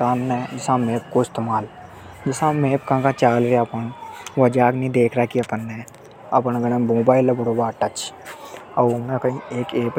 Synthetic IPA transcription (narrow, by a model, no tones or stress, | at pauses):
aːnːɛd͡ʒɪsãmeːp̚koɪst̪emaːl | d͡ʒɪsãmeːpkãkãt͡ʃaːlɾeaɐpənʋɐd͡ʒaːknĩd̪eːkʰɾakiɐpənːe | ɐpənɡɐɽ̃ẽmoːbaːɪlɐbʊɽobaːʈɐt͡ʃ | ɐmẽkəĩeːkeːp